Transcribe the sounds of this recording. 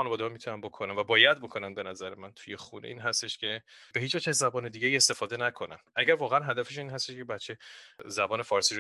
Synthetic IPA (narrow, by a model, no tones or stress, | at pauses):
ɒːnevɒːd̪ehɒmit̪ʰunænbo̞kʰonænvæbɒːjæd̪̚bo̞kʰo̞nænbe̞næzæɾemænt̪ʰuje̞xunḛʔiːnɦæst̪e̞ʃcʰʲe̞b̥ehiːt͡ʃvæt͡ʃæzːæbɒːne̞d̪iːɟeiːest̪e̞fɒːd̪e̞nækʰo̞næ̰nʔæɟæɾvɒːɣeænɦæd̪æfeʃinɦæst̪eʃkʰe̞bæt̪t͡ʃʰe̞zæbɒːne̞fɒːɾsiʃ